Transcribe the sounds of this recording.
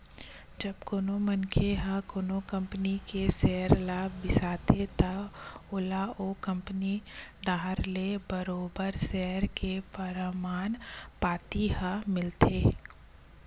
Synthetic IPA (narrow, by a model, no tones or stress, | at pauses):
d͡ʒəbkoːnomənkʰeɦəkoːnokə̃mpnikesɛɦəɾlaːbbɪsaːt̪et̪əʊlaʔoːkə̃mpəniɖaːɦɾlebəɾoːbəɾsɛɦəɾkepəɾəmaːnpaːt̪iɦəmɪlt̪ʰeː